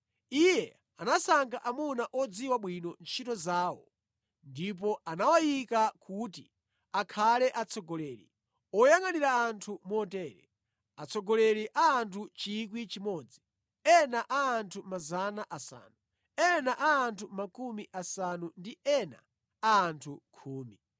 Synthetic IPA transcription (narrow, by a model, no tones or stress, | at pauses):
ijɛ | anasaŋɡaʔamunaʔɔd͡ziwaɓwinɔnt͡ʃʰitɔzaːwɔ | ndip̬ɔanawajikakʰuti | akʰalɛʔat͡sʰɔɡɔlɛːɾḭ | ɔjaŋaniɾaːntʰumɔtɛːɾɛ̰ | at͡sʰɔɡɔlɛɾiʔaːntʰut͡ʃik̬wit͡ʃimɔːd͡zi | ɛnaʔaːntʰumazanaʔasa̰ːnu | ɛnaʔaːntʰumakumiʔasanundiɛna̰ | aːntʰukʰuːmi